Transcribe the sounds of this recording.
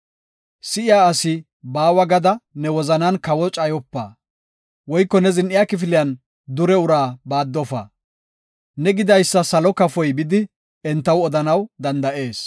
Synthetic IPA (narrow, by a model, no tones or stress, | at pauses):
sɪʔɪjaːɐsɪ | baːwɐɡɐd̪ɐnɛwɔzɐnɐnkɐwɔt͡ʃʼɐjɔpːa̰ː | wɔjkːɔnɛzɪnʔɪjaːkɪfɪlɪjɐn | d̪ʊɾɛʊɾaːbaːd̪ːɔfɐ̰ | nɛɡɪd̪ɐjsːɐsɐlɔkɐfɔjbɪd̪ɪ | ɛnt̪ːɐwɔd̪ɐnɐwd̪ɐnd̪ɐʔe̞ːs